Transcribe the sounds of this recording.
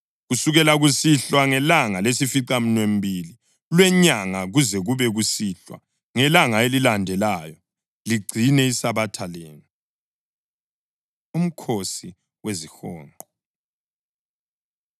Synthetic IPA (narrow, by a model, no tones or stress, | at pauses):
ɣusuɣɛlaɣusiɬwaŋɛlaŋalesifiǀam̩nwem̩bʱili | lwɛɲaŋaɣuzɛɣuβɛɣusiːɬwa̰ | ŋɛlaŋaelilandʱɛlaːjɔ | liɡ͡ǀʱinɛisaβatʰaleːnu | um̩kʰosi | wezixɔ̰ːŋǃʱɔ